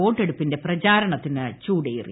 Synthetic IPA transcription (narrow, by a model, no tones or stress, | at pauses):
o̞ːʈːe̞ɽupːinde̞prɐt͡ɕaːɾɐɳɐt̪ːinɨt͡ɕuːɽejḭrḭ